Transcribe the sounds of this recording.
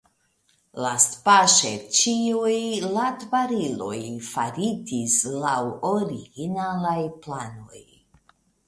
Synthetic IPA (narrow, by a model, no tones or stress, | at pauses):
laspaʃet͡ʃiujlatvaɾilo̞̰jfaɾitislawoɾiɡinalajplano̞̰j